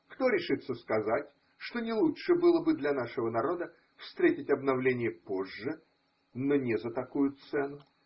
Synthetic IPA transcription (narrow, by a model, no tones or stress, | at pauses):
kt̪o̞ɾʲɪʂɨt̪sːəskɐzatʲ | ʂt̪o̞nʲɪlˠuʂɨbɨlˠəbɨd̪lʲɐnaʂɨvənɐɾo̞d̪ə | fst̪ɾʲetʲɪtʲɐbnɐvlʲenʲɪjəpo̞ʐːɨ | nonʲɪzət̪ɐkujʊt̪sɛnʊ